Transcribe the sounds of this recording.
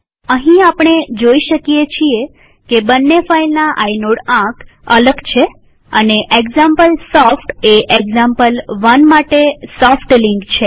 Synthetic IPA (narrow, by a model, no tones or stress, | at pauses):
əɦĩapɳ̃ed͡ʒoiʃəkijet͡ʃʰie | kebənːefailnaʔainoɽãk | ələɡt͡ʃʰe | əneʔeɡzampəlsɔfʈeʔeɡzãmpəlʋənmaʈesɔfʈliŋkt͡ʃʰe